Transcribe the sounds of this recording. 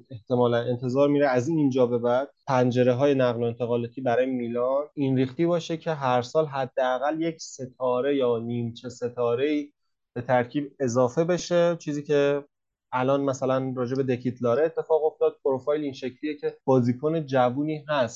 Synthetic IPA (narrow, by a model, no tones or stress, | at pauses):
e̞ht̪e̞mɒːlæne̞nt̪ʰe̞zɒːɾmiːɾeæziːnd͡ʒɒːbe̞bæd̪̥̚pʰænd͡ʒe̞ɾe̞ɦɒːje̞næɣloe̞nt̪ʰe̞ɣɒːlɒːt̪ʰiːbæɾɒːjemiːlɒɾinɾiːxt̪iːbɒːʃecʰe̞ɦæɾsɒːlɦæd̪ːeæɣælje̞cʰse̞t̪ʰɒːɾe̞jɒːniːmt͡ʃʰese̞t̪ʰɒːɾe̞iː | b̥e̞t̪ʰæɾcʰiːbe̞zɒːfe̞be̞ʃe̞t͡ʃʰiːziːcʰe | ælɒːnmæsælænrɒːd͡ʒe̞be̞d̪e̞kʰit̪ʰlɒːɾeːt̪ʰːe̞fɒːɣo̞ft̪ɒːd̪̥̚pʰoɾofɒːjlinʃe̞cʰliːjecʰe̞b̥ɒːziːkʰone̞d͡ʒævuːniːɦæst̪